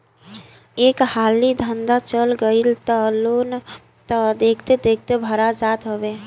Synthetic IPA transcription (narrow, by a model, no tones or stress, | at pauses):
eːkhaːlid̪ʱənd̪at͡ʃəlɡəilt̪əlon | t̪əd̪eːkʰt̪ed̪eːk̚ʰt̪ebʱəɾad͡ʒaːt̪ɦobe